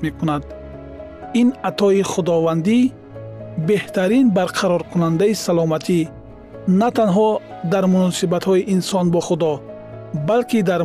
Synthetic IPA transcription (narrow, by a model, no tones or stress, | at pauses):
mekunad̪ | inat̪ʰɔiχud̪ɔvand̪i | beht̪ʰaɾinbaɾqʰaɾɔɾkʰunand̪aisalɔmat̪ʰi | nat̪anɦɔd̪aɾmunɔsibat̪hɔiʔinsɔnbɔχud̪ɔ | balkid̪aɾ